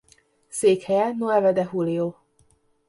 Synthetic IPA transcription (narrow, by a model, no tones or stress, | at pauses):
seːkhɛjɛnoɛvɛd̪ɛɦulioː